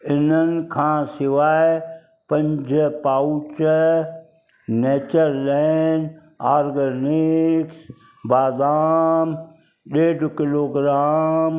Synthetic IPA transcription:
ɪnənkʰãːsɪʋaːe | pə̃ɲd͡ʒəpaːwut͡ʃə | neːt͡ʃəɾlen | aːɾɡənɪks | baːd̪aːm | ɗeːɖkɪloːɡɾaːm

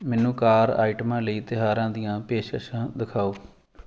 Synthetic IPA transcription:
mɛ̃ːnũːkaːɾa̰ːiʈəmãːləiːt̪ɪɦaːɾãːd̪ɪjãːpeːʃkəʃãːd̪ɪkʰaːoː

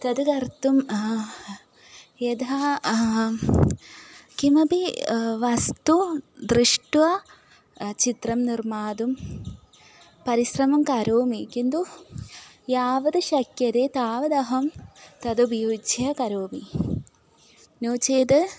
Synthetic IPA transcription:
t̪ɐd̪ɨkɐrt̪um | jed̪ɐ | kimɐbiʋɐst̪ud̪ɾiʂʈʋɐ | t͡ʃit̪rɐmnirmaːd̪um | pɐɾiɕɾɐmɐmkɐɾoːmikind̪u | jaːʋɐd̪ɨʃɐkjɐd̪eːt̪aːʋɐd̪ɐɦɐmt̪ɐd̪ubʱjuːd͡ʒɐkɐɾoːmi | noːt͡ʃeːd̪ɨ

